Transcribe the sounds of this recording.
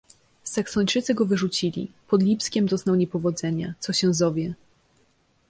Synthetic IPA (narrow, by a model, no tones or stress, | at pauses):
saksɔɲt͡ʂɘt̪sɘɡɔvɘʐut͡ɕilʲḭpɔd̪lʲipskʲɛmd̪ɔznawɲɛpɔvɔd̪zɛɲat̪sɔɕɛzɔvʲjɛ